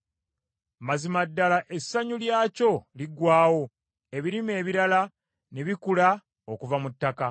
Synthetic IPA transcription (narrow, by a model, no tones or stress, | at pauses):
mazimadːalaʔe̞sːaɲuljaːco̞liɡwaːwo̞ | e̞βiɾime̞ːβiɾala | ne̞βikula | okuvamutːaka